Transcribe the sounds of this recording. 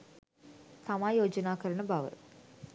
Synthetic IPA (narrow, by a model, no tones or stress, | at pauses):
t̪amaːjoːd͡ʒɐnaːkəɾɐɳəbɐʋə̰